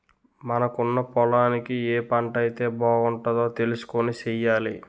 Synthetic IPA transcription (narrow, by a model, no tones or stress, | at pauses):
mɐnɐkunːɐpɔlaːnikieːpɐɳʈɐjt̪e̞ːbɔːɡuɳʈɐd̪o̞ːt̪e̞lusu̥konit͡ʃɛjaːli